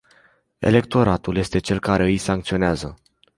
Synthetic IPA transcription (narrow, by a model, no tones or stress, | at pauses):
e̞̰le̞k̚t̪o̞ɾat̪ulje̞st̪e̞t͡ʃe̞lkaɾe̞ɨjsaŋkt̪sio̞neazə